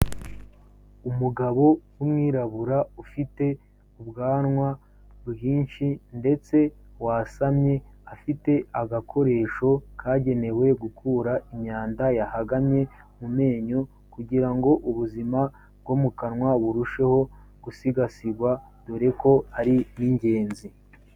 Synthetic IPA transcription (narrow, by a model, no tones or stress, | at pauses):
umuɡaβo̞wumwiːɾaβuɾaufite̞ | uβɡaːnŋwa | bɡiːnʃinde̞t͡se̞ | wasamɲe̞afite̞aɡakʰo̞ɾe̞ːʃo̞kʰaːɟe̞ne̞we̞ɡukuːɾaimɲaːndajahaɡamɲe̞ | mume̞ːɲo̞ | kuɟiɾaŋɡo̞ʔuβuzima | bɡwomukanŋwaβuɾuʃe̞ho̞ | ɡ̥usiɡasiɡwa | d̥uɾe̞ko̞aɾiniɲɟe̞ːnzi